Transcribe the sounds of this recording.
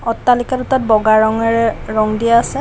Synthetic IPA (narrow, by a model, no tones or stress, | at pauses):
ɔtːalikaɾutɔt̚bɔɡaɹɔŋɛɹɛɹɔŋdijaːsɛ